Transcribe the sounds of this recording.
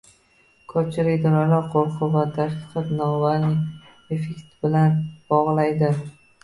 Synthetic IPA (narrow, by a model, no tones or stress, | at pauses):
kʰɵp̚t͡ʃʰɪlɪkʲd̪ɒɾɒjlaɾqʰoɾˠqʰɨvat̪ʰaʃkʲʰɪ̥qɨfnɒvalnɪ | efekt̪bɪlanb̥ɒʁlˠajd̪ɪ